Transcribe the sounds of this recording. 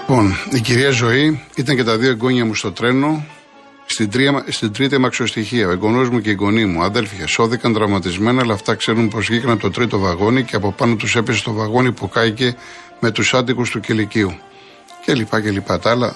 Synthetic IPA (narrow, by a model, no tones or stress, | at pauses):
ipo̞niciɾiɐzo̞iit̪ɐɲce̞t̪ɐðio̞eɡo̞ɲɐmust̪o̞t̪ɾe̞no̞ | st̪id̪ɾist̪id̪ɾit̪iɐmɐkso̞st̪içiɐoeɡo̞no̞zmuce̞iɡo̞nimuɐðe̞lfçɐso̞θikɐnt̪ɾɐvmɐt̪izme̞nɐːlɐːft̪ɐkse̞ɾunpo̞zʝikɾɐnɐpt̪o̞t̪ɾit̪o̞vɐɣo̞niceɐpo̞pɐno̞t̪use̞pese̥t̪o̞vɐɣo̞nipokɐice̞ | me̞t̪usɐt̪̬ikust̪uceliciu | ce̞lipɐcelipɐt̪ɐlɐ